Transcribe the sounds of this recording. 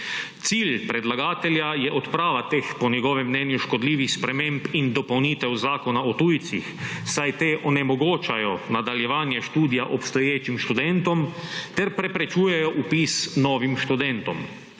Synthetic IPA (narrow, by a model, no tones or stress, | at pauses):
t̪siːlpɾɛd̪laɡaːt̪ɛljajɛʔɔt̪pɾaːʋat̪eːxpɔnjɛɡɔːʋɛmːnɛːnjuʃkɔd̪liːʋixspɾɛmempind̪ɔpɔwniːt̪ɛwzaːkɔnaɔt̪uːjt̪sḭxsajt̪eːʔɔnɛmɔɡoːt͡ʃajɔnad̪aljɛʋaːnjɛʃt̪uːd̪ijaʔɔpst̪ɔjeːt͡ʃimʃt̪ud̪ɛnt̪ɔmt̪ɛɾpɾɛpɾɛt͡ʃuːjɛjɔʔupiːsnɔːʋimʃt̪ud̪ɛnt̪ɔm